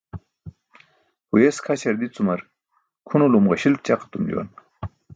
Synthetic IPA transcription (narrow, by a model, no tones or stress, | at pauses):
hujeskʰat͡ɕʰɐɾd̪it͡sumɐɾ | kʰunolumʁaɕil̚t͡ɕaqḁt̪umd͡ʑṵwa̰n